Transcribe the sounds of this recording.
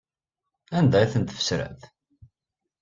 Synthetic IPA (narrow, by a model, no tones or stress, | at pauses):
ænd̪æjθənt̪ə̥fə̥sɾæ̰ð